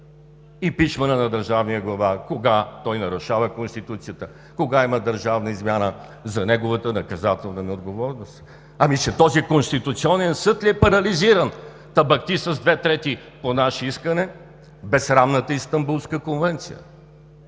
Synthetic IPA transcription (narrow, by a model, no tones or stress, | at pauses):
ipiʃmɐnənɐd̪əɾʒavniəɡlˠɐvakoɡat̪ɔjnɐɾʊʃavəkonst̪it̪ut̪sijət̪ə | koɡaiməd̪əɾʒavnəizmʲjanə | zɐnɛɡovət̪ənɐkɐzat̪ɛlˠnənɛod̪̚ɡovɔɾnost̪ | ɐmit͡ʃɛt̪ɔzikonst̪it̪ʊt̪siɔnɛnsɤt̪lʲiɛpɐɾɐliziɾən | t̪ɐbɐkt̪isɐzd̪vɛt̪ɾɛt̪i | ponaʃɛiskənɛ | bɛsɾamnət̪əist̪ɐmbulˠskəkonvɛnt̪sijə̰